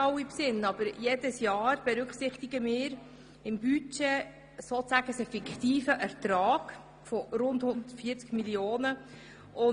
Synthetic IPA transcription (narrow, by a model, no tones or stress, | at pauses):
ɑwipsɪnːɑb̥əɾjeːdəsjɑːɾb̥ɛɾʉkχsɪχt̪ɪɡəmɪːɾ | ɪmbyt͡ʃɛ | soːt͡sæɡ̥əsɛfikχtiːfəʔæɾt̪ɾɑːɡ̥ | fɔɾʊndhʊnd̪ətfiːt͡skmiljoːnə | ʊ